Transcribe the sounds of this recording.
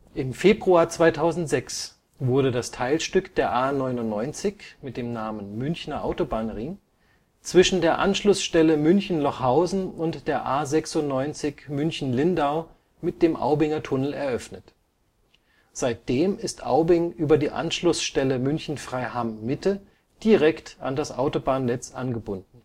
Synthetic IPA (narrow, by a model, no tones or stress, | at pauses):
ʔɪmfeːbʁuaːɐt͡sv̥aɪtʰaʊzn̩tz̥ɛks | v̥ʊɐɾədastʰaɪlʃtʏkd̥eːɐʔaːnɔʏnʊntnɔʏnt͡sɪçmɪt̚d̥eːmnaːmənmʏnçnɐʔa̰ʊtobaːnʁɪŋ | t͡sv̥ɪʃn̩deːɐʔa̰nʃlʊsʃtɛləmʏnçn̩lɔχhaʊzn̩ʊntd̥eːɐʔaːzɛksʊntnɔʏnt͡sɪçmʏnçn̩lɪndaʊ | mɪt̚d̥eːmʔa̰ʊbɪŋɐtʰʊnl̩ɛ̰ɐʔœfnət | z̥aɪt̚d̥eːmɪstʔa̰ʊbɪŋʔyːbɐdiːʔa̰nʃlʊsʃtɛləmʏnçn̩fʁ̥aɪɦamːɪtʰə | d̥iʁɛkta̰ndasʔaʊtobaːnnɛt͡sʔanɡəbʊndn̩